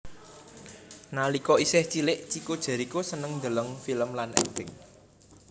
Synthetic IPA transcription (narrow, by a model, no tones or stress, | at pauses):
nalikɔisɪht͡ʃilɪʔt͡ʃikod̥ʒ̥a̤ɾikosənəŋnd̪ələŋfiləmlanʔɛ̰pɪŋ